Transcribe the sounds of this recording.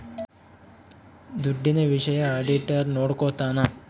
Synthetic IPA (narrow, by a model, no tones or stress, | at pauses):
d̪uɖːineʋiʃɐjɐːɖiʈɐɾnoːɽkoːt̪aːna